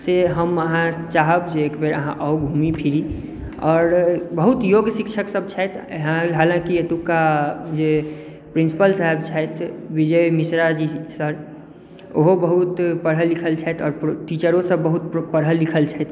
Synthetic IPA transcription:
seɦəməɦãt͡ʃaɦəbd͡ʒeekbeɾəɦã̰ʔəʊɡʱumipʰiɾi | ɔːɾbəɦut̪joɡsikʃʰəksəbt͡ʃʰɛt̪ɦãɦaːlãkiet̪ukːad͡ʒe | pɾinsi̥pəlsaɦɛbt͡ʃʰajt̪ʰbid͡ʒəjmisɾad͡ʒisəɾ | oɦobəɦut̪pəɽɦəlikʰəlt͡ʃʰɛjt̪ʰɔːɾʈit͡ʃəɾõsəbːəɦut̪pəɽɦəlːikʰəlt͡ʃʰajt̪

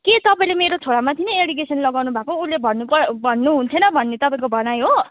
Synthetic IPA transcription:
ket̪ʌpaĩlemeɾot͡sʰoɽamat̪ʰineeɽiɡesʌnlʌɡawnubʱakoulːebʱʌnːupʌbʱʌnːuɦunt̪ʰenʌbʱʌnːet̪ʌpaĩkobʱʌnajɦo

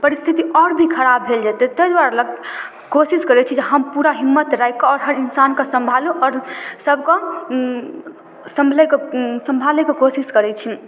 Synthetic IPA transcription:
pəɾist̪ʰit̪iɔːɾbʱikʰəɾabʱːeld͡ʒat̪ɛt̪əjd̪waɾaləɡ̚ | kosiskəɾɛt͡ʃʰid͡ʒeɦəmpuɾaɦimːət̪ɾajkɔɔɾɦəɾinsankəsəmbʱalũʔɔːɾsəbʱkɔ | sə̃mbʱləjksəmbʱaləkekosiskəɾɛt͡ʃʰi

